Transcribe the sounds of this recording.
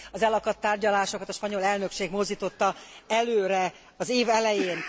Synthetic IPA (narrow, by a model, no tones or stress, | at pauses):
ɒzɛlɒkɒt̪ːaːrɟɒlaːʃo̞kɒt̪ɒʃpɒɲo̞lɛlnø̞kʃeːɡmo̞zd̪iːt̪o̞t̪ːɒɛløːɾɛ | ɒzeːvɛlɛjeːn